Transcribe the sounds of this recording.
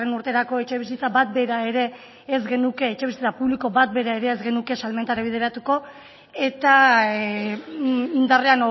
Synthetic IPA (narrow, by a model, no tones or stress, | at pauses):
enuɾt̪e̞ɾako̞e̞t͡ʃe̞β̞isit͡sabat̪̚be̞ɾae̞ɾe̞ː | zɡe̞nuke̞ːt͡ʃe̞βisit͡sapuβliko̞bat̪̚be̞ɾae̞ɾe̞ːzɡe̞nuke̞salme̞nt̪aɾaβið̞eɾat̪uko̞ | e̞t̪a | ind̪areano